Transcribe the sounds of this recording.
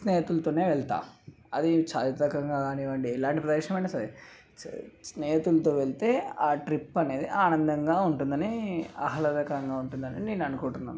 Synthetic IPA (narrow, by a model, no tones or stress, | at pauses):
sneːɦɐt̪ulɐt̪oːne̞ːʋɛɭt̪a̰ː | ɐd̪it͡ʃaːt̪it̪ɐkɐŋɡaːɡaːniʋɐɳɖiɛlaːɳʈipɾɐd̪ɛʂɐmɐɳʈesɐe | sneːɦɐt̪ulɐt̪oːʋeɭit̪eːaːʈɾipːɐne̞ːd̪iʔaːnɐnd̪ɐŋɡaːuɳʈund̪ɐniɐɦɐlɐd̪ɐkɐŋɡaːuɳʈund̪ɐnḭːineːnɐnukoːɳʈunːa̰ːm